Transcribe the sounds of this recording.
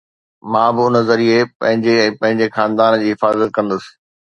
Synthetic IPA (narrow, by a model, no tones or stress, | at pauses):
mãːbɪʊnə̆zɐɾiepɐ̰̃ɦɪ̃ɲd͡ʑeɛ̃ːpɐ̃ɦɪ̃ɲd͡ʑexãːnd̪aːnd͡ʑiːɦɪfaːzət̪̚kɐ̃nd̪əsɪ̥